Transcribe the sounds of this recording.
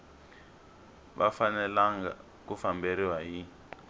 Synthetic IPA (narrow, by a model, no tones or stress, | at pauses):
βa̰fanɛlaŋɡa | kufambeɾiwaji